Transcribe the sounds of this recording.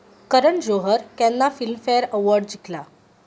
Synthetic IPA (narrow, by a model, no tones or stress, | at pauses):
kəɾəɳd͡ʑoɦəɾkanːafilmfejəɾəʋəɾɖd͡ʑikʰla